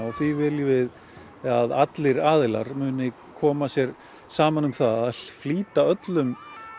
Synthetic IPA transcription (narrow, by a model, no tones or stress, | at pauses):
ɣθvivɪljvɪð | aðat̪lɪɾaːðɪlaɾmʏːnɪ | kʰɔːmasjɛɾ | saːmanʏmθaðaðfliːt̪aœt̪lʏm